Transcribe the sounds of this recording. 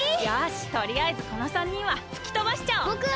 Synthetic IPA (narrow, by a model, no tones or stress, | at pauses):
jaɕi̥t̪o̞ɾʲiaizɨkonosãɲ̟ːĩɰ̃βat͡sɨ̥kʲi̥t̪obaɕi̥t͡ɕaookɯ